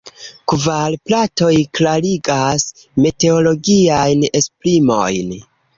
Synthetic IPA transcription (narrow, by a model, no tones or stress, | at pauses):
kvalplato̞jklaliɡas | mete̞olo̞ɡiajne̞splimo̞̰jn